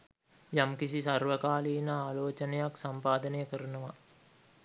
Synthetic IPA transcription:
jamkisisarʋəkaːliːnəaːloːt͡ʃənejaksampaːd̪ənəjəkəɾunəʋa

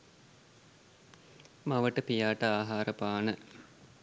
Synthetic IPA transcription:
maʋəʈəpijaːʈəaːɦaːɾəpaːnə

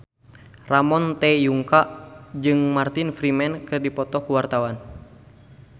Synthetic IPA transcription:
ramɔnt̪ɛjuŋkaʔd͡ʒɨŋmart̪infɾimɛnkɨrdipɔt̪ɔhkuwart̪awan

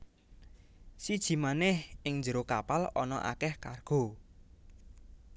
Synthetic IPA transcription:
sid̥ʒ̥i̤manɛhɪŋnd͡ʒəɾokapalɔnɔ̰ʔa̰kɛhkarɡ̥o̤

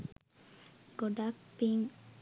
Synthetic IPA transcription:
ɡoɖak̚piŋ

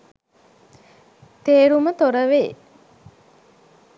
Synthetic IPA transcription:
t̪eːɾumət̪oɾəʋeː

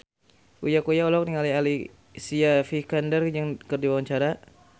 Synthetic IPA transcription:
ʔujakujaolɔk̚niŋaliali | siafikandərd͡ʒaŋkərdiwawaɲt͡ʃaɾa

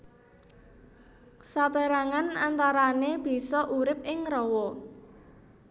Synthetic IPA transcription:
saba̤ɾaŋanant̪aɾaneb̥i̤sɔʔuɾɪp̚ɪŋrɔwɔ

